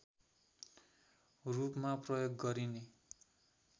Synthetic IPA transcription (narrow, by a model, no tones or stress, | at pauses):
rupmaprʌjoɡːʌɾine